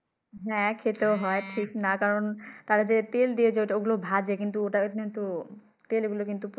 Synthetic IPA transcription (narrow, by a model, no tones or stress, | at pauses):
ɦɛ̃kʰet̪eoɦɔeʈʰiknakaɾont̪aɾad͡ʑet̪eld̪ied͡ʑeoʈaoɡulobʱad͡ʑekint̪̬uoʈaint̪u | t̪elɡulokint̪up